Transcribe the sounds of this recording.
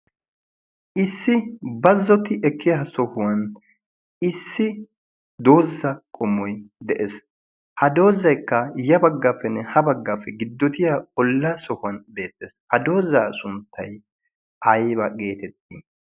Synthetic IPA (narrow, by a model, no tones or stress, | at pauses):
ʔɪsːɪbɐzːɔt̪ɪʔɛkːɪjɐɦɐsɔhʊwɐn | ɪsːɪ | d̪o̞ːzːɐkʼɔmːɔjd̪ɛʔes | hɐd̪o̞ːzːɐjkːɐjɐbɐɡːaːpːɛnːɛhɐbɐɡːaːpːɛɡɪd̪ːɔt̪ɪjaɔlːɐsɔhʊwɐnbe̞ːt̪ːeːshɐd̪o̞ːzːaːsʊnt̪ʰːɐj | ʔɐjbɐɡe̞ːt̪ɛt̪ːiː